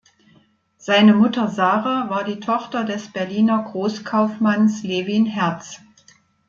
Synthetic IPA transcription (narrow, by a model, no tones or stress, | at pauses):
z̥aɪnəmʊtɐzaːʁavaːɐdiːtʰɔχtɐdɛsb̥ɛɐliːnɐɡʁoːskʰaʊfmansleːvinɦɛɐt͡s